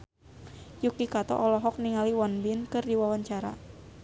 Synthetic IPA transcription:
jukikat̪ɔ̰ʔɔlɔɦɔk̚niŋaliwanbɪnkɨrdiwawaɲt͡ʃaɾa̰

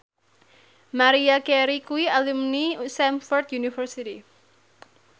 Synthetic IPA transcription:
maɾiakɛɾikuialumnisamfɔrt̪junifərsiti

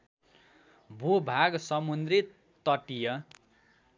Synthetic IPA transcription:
bʱubʱaɡsʌmund̪rit̪ː | ʌʈijʌ

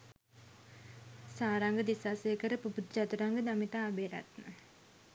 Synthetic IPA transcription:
saːɾaŋɡəd̪isaːseəkəɾəpuput̪d͡ʒat̪uɾaŋɡəd̪amit̪aːbeɾa̰t̪nə

